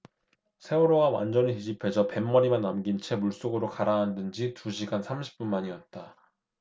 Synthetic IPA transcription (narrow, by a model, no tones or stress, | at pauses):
sʰe̞uɾoɡawa̰nd͡ʑʌniid͡ʑipʰe̞d͡ʑʰʌpe̞mːʌɾimanːamɡint͡ɕʰe̞muɭs͈oɡɯɾokaɾaɦandɯnd͡ʑituɕʰiɡansʰamɕʰi̥p̚p͈unmaɲiʌt̚t͈a